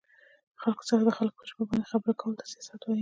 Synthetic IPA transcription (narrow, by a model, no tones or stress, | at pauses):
xalko̥t͡səxad̪əxalko̥pəʒmabɑnd̪exabəɾakawəlt̪ḁsijɑsat̪waji